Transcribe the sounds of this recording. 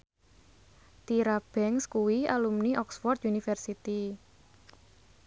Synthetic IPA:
t̪iɾab̥ɛŋskuwialumniʔɔksfɔrt̪̚junifɛrsit̪i

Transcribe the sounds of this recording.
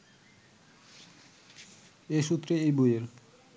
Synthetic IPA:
eʃut̪ːɾeejbujeɾ

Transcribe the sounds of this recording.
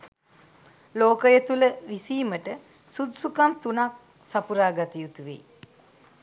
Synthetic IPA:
loːkəjet̪uləʋisiːməʈə | sud̪sukamt̪unak̚ | sapuɾaːɡat̪ijut̪uʋḛ

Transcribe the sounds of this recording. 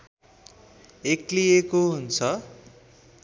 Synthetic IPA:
eklijekoɦunt͡sʰʌ

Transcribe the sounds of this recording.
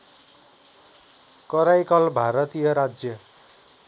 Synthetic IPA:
kʌɾajkʌlbʱaɾʌt̪ijʌɾad͡zjʌ

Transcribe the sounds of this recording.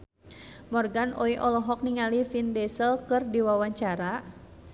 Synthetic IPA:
mɔrɡanʔɔiʔɔlɔɦɔk̚niŋalifindɛsəlkɨrdiwawaɲt͡ʃaɾa

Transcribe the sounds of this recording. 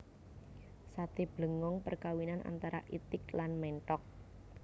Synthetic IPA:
sat̪eb̥lə̤ŋɔŋpərkawinanʔa̰nt̪aɾa̰ʔit̪ɪklanmɛɳʈɔk̚

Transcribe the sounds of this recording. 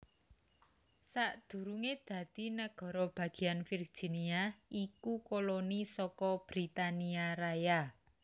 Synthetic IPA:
saʔd̪̥ṳɾuŋed̪̥ä̤d̪̥i̤naɡ̥ɔ̤ɾɔb̥a̤ɡ̥i̤anfird̥ʒ̥i̤niaʔikukolonisɔkɔb̥ɾit̪aniaɾaja

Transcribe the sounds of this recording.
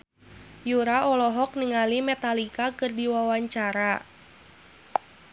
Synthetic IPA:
juɾaʔɔlɔɦɔk̚niŋalimɛt̪alikakɨrdiwawaɲt͡ʃaɾa

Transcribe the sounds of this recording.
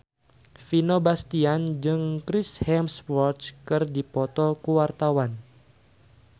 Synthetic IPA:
finobast̪iand͡ʒɨŋkɾɪshɛmsfɔrt͡ʃkɨrdipɔt̪ɔkuwart̪awan

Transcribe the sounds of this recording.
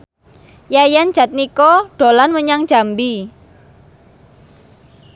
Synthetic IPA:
jajand͡ʒ̥a̤t̪̚nikɔɖ̥o̤lanmwəɲaŋ̥ʒ̥a̤mbi

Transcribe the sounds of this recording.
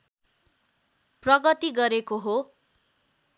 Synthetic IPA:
prʌɡʌt̪iɡʌɾekoɦo

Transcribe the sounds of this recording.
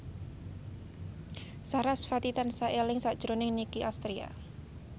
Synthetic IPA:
saɾasfat̪it̪ansaʔelɪŋsad̥ʒ̥ɾonɪŋnikiʔast̪ɾia̰

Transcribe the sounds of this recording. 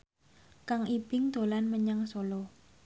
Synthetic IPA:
kaŋib̥ɪŋd̪̥o̤lanməɲaŋsolo

